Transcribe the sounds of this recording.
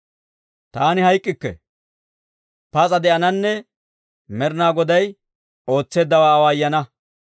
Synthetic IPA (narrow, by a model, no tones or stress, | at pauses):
t̪aːnɪɦɐjkʼːɪkːɛ̰ | pɐt͡sʼɐd̪ɛʔɐnɐnːɛ | mɛɾnaːɡɔd̪ɐj | o̞ːt͡sːe̞ːd̪ːɐwaːwaːjːɐnɐ